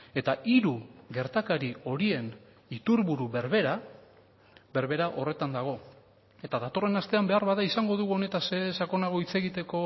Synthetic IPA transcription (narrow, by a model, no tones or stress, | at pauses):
e̞t̪aʔiɾuɣe̞ɾt̪akaɾio̞ɾie̞n | it̪uɾβuɾuβe̞ɾβe̞ɾa | βe̞ɾβe̞ɾaʔo̞re̞t̪and̪aɣ̞o̞ | e̞t̪aðat̪o̞re̞nast̪e̞ambe̞aɾβaðaisaŋɡo̞ð̞uɣuo̞ne̞t̪asesako̞naɣ̞o̞it͡se̞ɣit̪e̞ko̞